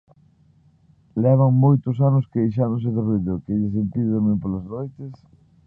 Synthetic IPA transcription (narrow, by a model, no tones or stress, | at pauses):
lɛβ̞aŋmojt̪ʊs̬anʊskejʃ̬aɾõŋs̬eðɪriðokeʎes̬empiðɪðemẽmpolaznojt̪es